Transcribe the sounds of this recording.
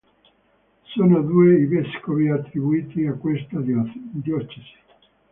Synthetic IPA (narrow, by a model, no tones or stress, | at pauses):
soːnod̪ueiveskoviat̪ːɾibuiːt̪iakwest̪ad̪jɔt͡ʃːesi̥